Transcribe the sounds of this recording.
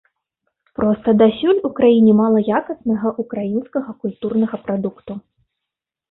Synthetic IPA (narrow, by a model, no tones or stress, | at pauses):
pɾʔɔst̪ɐd̪asʲulʲukɾajinʲɛmalˠɐjakɐsnɐɣɐʔukɾajinskɐɣɐkulʲt̪urnɐɣɐpɾad̪ukt̪u